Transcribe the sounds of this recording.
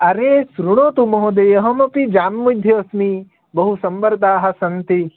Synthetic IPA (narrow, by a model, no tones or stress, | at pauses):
ɐɾeːsɾuɽ̃oːt̪umɐɦõd̪ejɐɦɐmɐpid͡ʒaːnmud̪ʱjɐːsmi | bɐɦusɐmbəɾd̪aːɦɐ̆sɐnt̪i